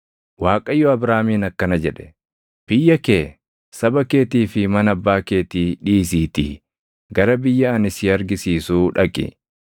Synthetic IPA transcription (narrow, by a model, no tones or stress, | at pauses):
waːkʼɐjːɔɐbɾaːmiːnɐkːɐnɐd͡ʒɛᶑɛ̥ | b̥ɪjːɐkeː | sɐbɐke̞ːt̪iːfɪmɐnɐbːaːkeːt̪iːᶑiːsiːt̪ḭː | ɡɐɾɐbɪjːɐɐnɪsɪɐɾɡɪsiːsuːᶑɐkʼɪ̰